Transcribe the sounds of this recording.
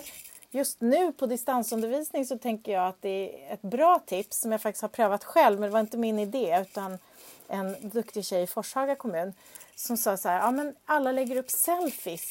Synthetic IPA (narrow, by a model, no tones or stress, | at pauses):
jɵst̪nʉ̟ːpʰɔd̪ɪst̪ansɵnd̪əɾviːsnɪŋsɔt̪ʰɛŋkəjɑːat̪̚d̪ɛæɛt̪bɾɑːt̪ʰɪpsːɔmjaɡfak̚t̪ɪ̥shaɾpʰɾøːvat̪ɧɛlːvmɛnd̪ɛvaɾɪnt̪əmɪnɪd̪eːʉ̟ːt̪an | ʔɛnd̪ɵkt̪ɪɕɛjːɪfɔʂhɑːɡakʰɔmʉ̟ːn | sɔmsɑːshæːɾɑːmɛnalːalɛɡːəɾɵpːsɛlfɪs